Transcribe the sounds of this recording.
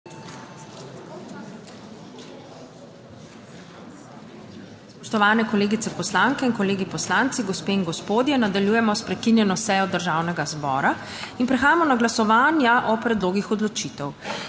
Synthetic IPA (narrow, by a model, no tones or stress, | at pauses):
pɔʃt̪ɔʋaːnɛkɔleːɡit̪sɛpɔslaŋkɛinkɔleːɡipɔslant̪siɡɔspeːinɡospoːd̪jɛnad̪aljuːjɛmɔspɾɛkinjɛnɔsɛjɔd̪əɾʒaːwnɛɡazbɔːɾa | inpɾɛxaːjamɔnaɡlasɔʋaːnjaʔɔpɾɛd̪loːɡixɔd̪lɔt͡ʃit̪ɛw